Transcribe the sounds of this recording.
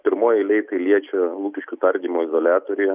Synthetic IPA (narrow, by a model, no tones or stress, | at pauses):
pʲɪɾmoːjɪlʲɛɪt̪ɐɪlʲiɛt͡ʃʲɛlˠuːkʲɪʃʲkʲʊt̪ɐɾʲd̪ʲiːmoːɪzolʲæːt̪oːɾʲʊjɛ